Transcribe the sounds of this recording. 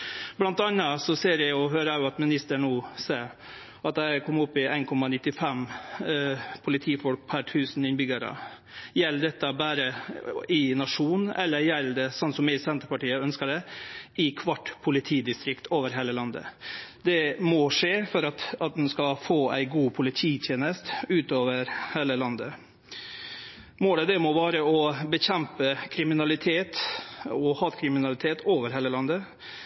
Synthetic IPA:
blɑnt̪ɑnːɑsɔseːɾjæɪʊɦøːɾəɑɑt̪mɪnɪst̪əɳuːseːɾ | ʔɑt̪æɪkʰɔmːʊpːɪæɪnkʰɔmːɑnɪt̪ːɪfɛm | pʰʊlɪt̪ʰiːfɔlk̚pʰæɾʈ̪ʰʉːsnɪnbʏɡəɾə̰ | jɛlːd̪ɛt̪ːɑbæːɾəɪnɑʂuːnɛ̰lːəɾjɛlːd̪ɛsɔnsɔmɪsɛnt̪əɾpɑʈiːəœnskəɖɛɪkʰʋɑʈːpʰʊlɪt̪ʰiːd̪ɪst̪ɾɪkt̪ʰoːʋəɾɦeːləlɑnd̪ə̰d̪ɛmɔʂeːfɔɾɑt̪ɑt̪̚d̪ɛnskɑfoːæ̰ɪɡuːpʰʊlɪt̪ʰiːt̪ʰjeːnəst̪ʉːt̪oːʋəɾheːləlɑnd̪ə | moːd̪ɛd̪ɛmɔʋɑːɾəɔbəçɛmpəkʰɾɪmɪnɑlɪt̪ʰeːt̪ɔhɑːt̪kʰɾɪmɪnɑlɪt̪ʰeːt̪ʰoːʋəɾɦeːləlɑnd̪ə

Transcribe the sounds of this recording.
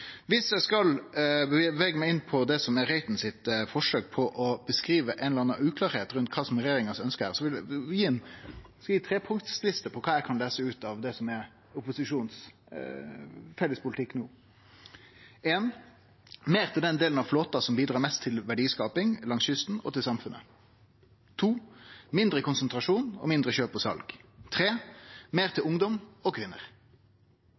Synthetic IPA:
ʋɪsjæɪskɑlbʋɛːɡəmæɪɪnːpʰɔd̪ɛsɔmæɾæɪt̪n̩sɪt̪fɔʂøːk̚pʰɔʔɔbəskɾiːʋəʔɛːnəlɾɑnːɑʔʉːkʰlɑːɾheːt̪ɾʉnt̪̚kʰɑːsɔmɾɛjeːɾɪŋɑsœnskəəsɔʋɪjiːɛnskɑjjiːt̪ʰɾeːpʰʊŋt̪slɪst̪əpʰɔkʰɑːɛkʰɑnleːsəʉːt̪ɑʋd̪ɛsɔmɛ | ʊpʊsɪʂuːns | fɛlːəspʰʊlɪt̪ʰɪkːnuː | eːn | meːɾt̪ʰɪld̪ɛnd̪eːlənɑʋfloːt̪ɑsɔmbiːd̪ɾɑːmɛst̪ʰːɪlʋæɖiːskɑːpɪŋlɑŋsʏst̪n̩ɔ̰t̪ʰɪlsɑmfʉnə̰ | t̪ʰuːmɪnd̪ɾəkʰʊnsənt̪ɾɑʂuːnɔ̰mɪnd̪ɾəçøːpɔsɑ̰lɡt̪ʰɾeːmeːʁt̪ʰɪlʊŋd̪ɔmɔkʰʋɪnːə̰ʁ

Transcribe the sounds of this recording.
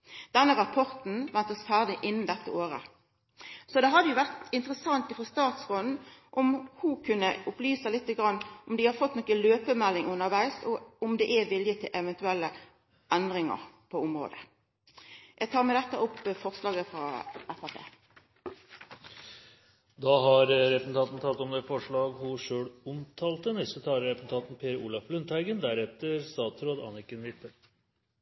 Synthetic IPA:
d̪̥ɛnːəɾɑpʰɔʁt̪n̩ʋɛnt̪əsfæːʁd̪ɪʔɪnːn̩d̪ɛt̪ːə̰oːʁə̰ | sɔd̪ɛɦɑd̪ːəjʊʋæʁt̪ɪnt̪ʁəsɑŋt̪ɪfʁɔst̪ɑːt̪sʁɔnn̩ʔɔmhukʰʉnːəʊplyːsəlɪt̪ːəɡʁɑnːʔɔmd̪ɪhɑɾfɔt̪ːnɔkːəløːpəmɛlːɪŋʉnːəʁʋæɪsɔʊmd̪ɛʔæʋɪljət̪ʰɪlʔɛʋɛnt̪ʉɛlːə | ɛnd̪ʁɪŋə̰ʁpʰɔʊmɾo̰ːd̪ə | jæɡt̪ʰɑːɾmɛd̪ɛt̪ːəʔʊpːfɔʁslɑːɡəfɾɑ̰æfæpʰḛː | d̪ɑːɦɑɾɾɛpn̩t̪ʰɑːt̪n̩t̪ʰɑlɔmd̪ɛfɔʂɭɑːɡhʊʂøːɽʊmt̪ʰɑːlt̪ənɛst̪ət̪ʰɑːəɾɛpn̩t̪ʰɑːt̪n̩pʰeːɾuːlɑflʉnt̪æɪɡənd̪æɾɛt̪əɾst̪ɑːt̪sɾoːd̪ɑ̰nɪkənʋɪt̪ːə

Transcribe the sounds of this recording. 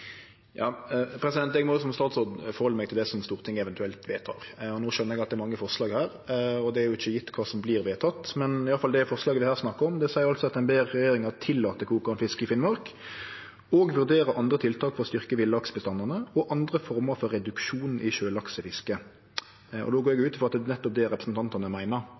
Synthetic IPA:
jɑːpʰɾɛsɪd̪ɛnt̪ɛɡmɔjʊsɔmst̪ɑːt̪sʁoːd̪fɔɾʁhɔlːəmɛɡ̚t̪ɪld̪ɛːsɔmst̪uːʁət̪ʰɪŋːəɛʋɛnt̪ʉɛlt̪ʋeːt̪ʰɑ̰ːɾɔnoːʃœnːəɾɛɡɑt̪d̪ɛɾmɑŋːəfɔʁʂlɑːɡhæːɾɔd̪ɛæɾjʊɪçːəjɪt̪ːkʰʋɑːsɔmbliːɾʋeːt̪ʰɑt̪ːmɛnɪɑləfɑld̪ɛæfɔʁʂlɑːɡəʋɪhæːʁsnɑkːəʁɔmd̪ɛsæɪəɾɑlsɔɑt̪ɛnbeːʁːɛjeːɾɪŋɑt̪ʰɪlːɑːt̪əkʰuːkʊɑnfɪskɪfɪnmɔɾk | ɔːɡʋʉɾd̪eːɾəʔɑnd̪ɾət̪ʰɪlt̪ʰɑːkfɔʁɔst̪ʏʁkəʋɪlɑksbəst̪ɑnːɑnəɔʔɑnd̪ʁəfɔɾməɾfɔɾːɛd̪ʉkʃuːnn̩ʔɪʃøːlɑksəfɪskə | ɔ̰d̪oːɡoːɾɛɡjʊʉːt̪fɔɾɑt̪d̪ɛnɛt̪ːɔp̚d̪ɛɾɛpɾəsnt̪ʰɑnt̪ɑnəmæɪnəɾ

